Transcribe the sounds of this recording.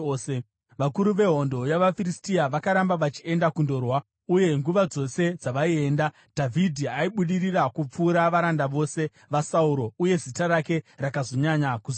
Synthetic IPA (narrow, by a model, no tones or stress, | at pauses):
se | ʋakuɾuʋe̞ɦo̞ndo̞jaʋafiristiaʋakaɾambaʋat͡ʃie̞ndakundo̞ːrwa | uje̞ŋɡuʋad͡zo̞se̞d͡zaʋaie̞ːnda | d̥ʱavʱidʱiaiɓuɗirirakup͡fuːɾaʋaɾandaʋo̞se̞ | ʋasauɾo̞uje̞zitaɾake̞rakazo̞ɲaɲakuz